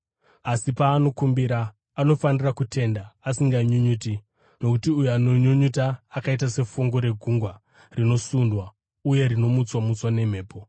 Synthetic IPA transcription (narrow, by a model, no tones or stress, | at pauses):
asipaːno̞kumbiɾaː | no̞fanirakutʰe̞ndaːsiŋɡaɲuɲuːti | no̞kutiujuanoɲuɲutaːkait̬ase̞fuŋɡo̞ɾe̞ɡʱuŋɡwa | rino̞sundwa | uje̞ɾino̞mut͡swamut͡swane̞m̤e̞ːpo̞